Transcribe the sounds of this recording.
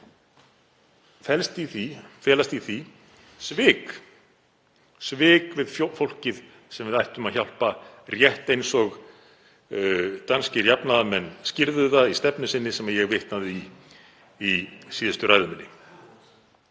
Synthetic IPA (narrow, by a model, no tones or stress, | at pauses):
fɛlst̪iθifjɛːlast̪iθi | svɪːk | svɪːkvɪðffowl̥cɪð | sɛmvɪðajht̪ʏmaðçawl̥parjɛht̪ejnsɔɣ | t̪anscɪɾjapnaðamɛnːscɪɾðʏθaðist̪ɛpnʏsɪnːɪsɛmajɛɣvɪht̪naðɪiː | siːðʏst̪ʏraːjðʏmɪnːɪ̰